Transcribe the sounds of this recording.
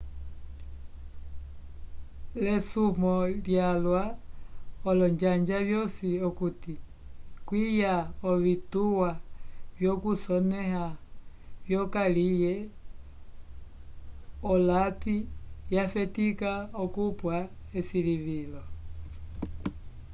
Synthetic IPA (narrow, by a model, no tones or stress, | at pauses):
lɛsumɔljalwa | ɔlɔɲd͡ʒaɲd͡ʒavjɔsiɔkuti | kwijaɔvituwavjɔkusɔnɛha | vjɔkalijɛ | ɔlapijafɛtikaɔkupwa | ɛsiliβilɔ